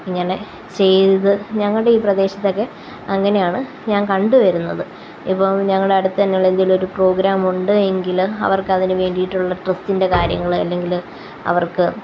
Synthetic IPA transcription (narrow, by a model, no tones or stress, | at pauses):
ɲɐne | t͡ɕe̞jðɐðɨɲɐŋːɐɭɽeiːprɐd̪e̞ːɕɐ̥t̪ːo̞kːe̞ | ɐŋːɐne̞jaːɳɨ | ɲaːnkɐɳɖɨʋɐɾunːɐðɨ | ipːoːɭɲɐŋːɐɭɽe̞ɐɽut̪ːɨðɐnːeɭend̪iilo̞ɾupro̞ːɡɾaːmuɳɖɨe̞ŋɡilɐ̰ʋɐrkɐðinɨʋe̞ːɳɖijiʈːuɭːɐʈrɐstinde̞kaːɾjɐ̰ŋːɐɭɐ̰lːe̞ŋɡil | ɐ̰ʋɐrkɨ